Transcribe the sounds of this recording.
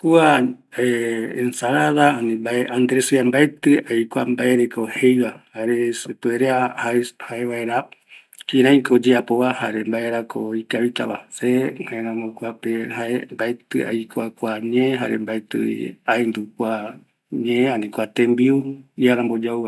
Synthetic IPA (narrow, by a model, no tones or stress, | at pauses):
kua | eensaɾaðaanĩbaeʔand̪ɾesɨambaet̪ɨajkʷambaeɾekohejβahaɾesepɨeɾeahahaeβaeɾa | kĩɾãj̃kod͡ʒeapoβahaɾembaeɾakʰoikaβit̪aβa̰sehaeɾãmokuapehaembaet̪ɨa̰jkʷakʷaɲẽɦa̰ɾembaet̪ɨ̰ḭaend̪ukʷa | ɲẽẽanĩkʷat̪ẽmbiuiaɾãmbod͡ʒauβa